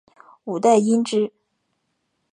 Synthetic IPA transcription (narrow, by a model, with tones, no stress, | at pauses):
u˨˩t̪a˥˩ɪi˥nʈ͡ʂɻ̩˥